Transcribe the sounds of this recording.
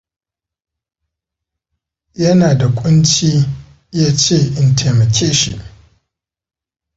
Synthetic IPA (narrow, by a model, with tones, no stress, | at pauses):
jɐ˦naː˨da˨kʷʼʊ˦nt͡ʃiː˦ | jaː˦t͡ʃeː˦˨ʔɪ˨ntʰeː˨mɐ˨kʲʰeː˦ʃḭ˨ʔ